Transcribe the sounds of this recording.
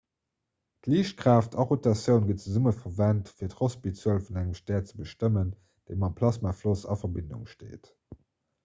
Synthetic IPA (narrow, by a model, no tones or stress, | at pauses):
tliːʃt̚kʁaːftʰɑʁutɑsjəʊnɡətt͡səzuməfɐvæntfiːɐtχospit͡səlfunæŋəmʃtæːɐtt͡səbəʃtəmən | d̥eɪmɑmpʰlɑsmaflosɑ̰fɐbindṵŋʃtḛːt